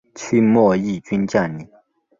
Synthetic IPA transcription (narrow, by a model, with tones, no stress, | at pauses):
t͡ɕʰy˥mɔ˥˨ji˥˨t͡ɕy˥nt͡ɕa˥˨ni˨